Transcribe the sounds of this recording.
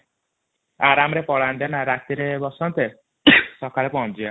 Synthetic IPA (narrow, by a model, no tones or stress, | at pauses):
aɾamɾepɔɽand̪enaɾak̚t̪iɾebɔsɔnt̪e | sɔkʰalepɔnd͡ʒia